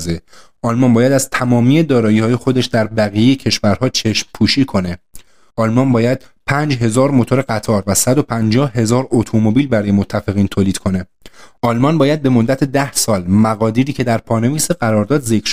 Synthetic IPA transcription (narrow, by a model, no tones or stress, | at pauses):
ze | ʔɒːlmɒnbɒːjæd̪æz̥t̪ʰæmɒːmiːed̪ɒːɾɒːjiːhɒːje̞xo̞d̪e̞ʃd̪æɾbæɣijejecʰe̞ʃvæɾhɒːt͡ʃʰe̞ʃmpʰuːʃiːkʰo̞ne̞ | ʔɒːlmɒnbɒːjæd̪̥̚pʰænd͡ʒɦe̞zɒːɾmo̞t̪ʰoɾeɡæt̪ʰɒːɾvæsæd̪o̞pʰænd͡ʒɒːhɦe̞zɒːɾot̪ʰomobiːlbæɾɒːje̞mot̪ʰːæfe̞ɣiːnt̪ʰoːliːd̪̥kʰo̞ne̞ | ʔɒːlmɒnbɒːjæd̪̚be̞mo̞d̪ːæt̪ʰe̞d̪æhsɒːlmæɣɒːd̪iːɾiːcʰe̞d̪æɾpʰɒːne̞viːseɢæɾɒːɾd̪ɒːd̪ze̞kʰɾ